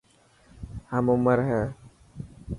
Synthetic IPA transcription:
həmʊməɾɦɛː

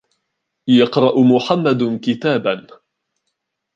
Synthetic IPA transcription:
jɑqɾˤɑʔmʊħamːad̪kɪt̪aːban

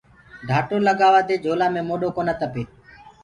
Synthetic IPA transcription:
ɖ̪ʱaːʈoːləɠaːʋaːt̪eːd͡ʒʱoːlaːmẽːmoːɗoːkoːnət̪əpeː

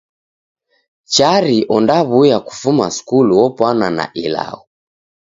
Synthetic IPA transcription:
t͡ʃaɾiʔɔndaβujaku̥fuma̰skuluwɔpwanana̰ʔila̰ɔ

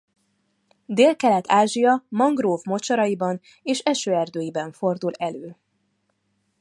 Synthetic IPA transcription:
d̪eːlkɛlɛt̪ʰaːʒijɒmɒŋɡroːvmo̞t͡ʃɒɾɒjibɒn | eːʃɛʃøːɛrd̪øːjibɛɱfo̞rd̪ulɛløː

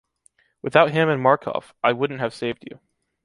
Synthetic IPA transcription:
wɨθaʊt̚ɦɪ̃mɨ̃nmɑɹkʰɔ̰faɪwʊdⁿn̩t̚hɨv̥seɪvd͡ʒʉ̰

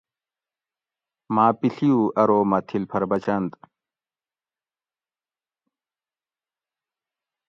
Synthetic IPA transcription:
maːpiɬijuʔɐɾoːmɐt̪ʰilpʰɐɾbɐt͡ɕɐnt̪

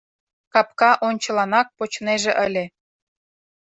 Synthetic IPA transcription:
kɑp̚kɑʔonʲt͡ɕɤ̆lɑnɑk̚pot͡ɕneʒĕʔəlʲĕ

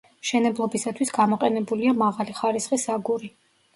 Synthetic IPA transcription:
ʃɛnɛblˠɔbisat̪ʰwisɡamɔqʼɛnɛbuliamaʁaliχaɾisχisaɡuɾi

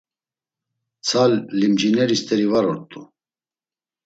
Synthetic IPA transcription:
t͡sʰalːimd͡ʒinɛɾist̪ʰʼɛɾivaɾɔɾt̪ʼu

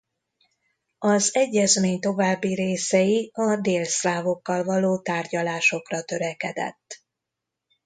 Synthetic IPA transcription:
ɒzɛɟːɛzmeːɲt̪o̞vaːbːiɾeːsɛjiɒd̪eːlsraːvo̞kːɒlvɒloːt̪aːrɟɒlaːʃo̞krɒt̪ø̞ɾɛkɛd̪ɛ̰t̪ː

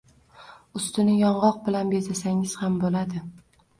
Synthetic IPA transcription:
ʊst̪ɪnɪjɒɴʁɒq̚bɪlanbezasaŋɪz̥hambolad̪ɪ

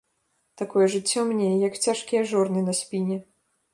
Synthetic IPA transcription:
t̪akɔjɛʐɨt͡sʲːɔmnʲejɛjɐkt͡sʲaʂkʲijɛʐɔrnɨnɐsʲpʲinʲɛ

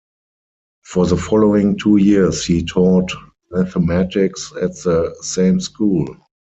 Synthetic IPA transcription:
fɔðəfɔloɪ̃ŋtʰuːjishitʰɔt | mæθəmætɪksætðəsẽɪ̃mskʰuːl

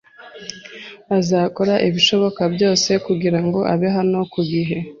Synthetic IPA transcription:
azaːko̞ɾaʔiβiʃo̞βo̞kabjo̞ːse̞kuɡiɾaŋɡo̞ʔaβeɦano̞kuɡiɦe̞

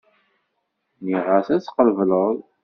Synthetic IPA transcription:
niʁaθæt͡sːqəlvləðˤ

